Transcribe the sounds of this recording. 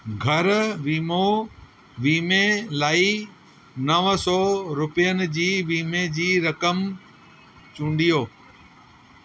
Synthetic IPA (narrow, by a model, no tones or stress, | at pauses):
ɡʱɐɾʋiːmo | ʋiːmelaːi | nɐʋsɔːɾʊpijənɪ̆d͡ʑiːʋiːmed͡ʑiːɾɐkəm | t͡ɕũːɳɖijoː